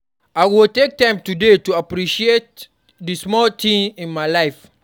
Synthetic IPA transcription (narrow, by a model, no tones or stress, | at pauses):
aɪwiltek̚tãɪ̃mtudetuapɾiʃiet̚ | dismɔltʰĩmĩnmajlaɪf